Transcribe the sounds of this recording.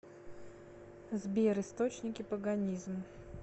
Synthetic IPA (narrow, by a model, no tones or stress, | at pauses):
zbʲeɾɨst̪ot͡ɕnʲɪkʲɪpəɡɐnʲizm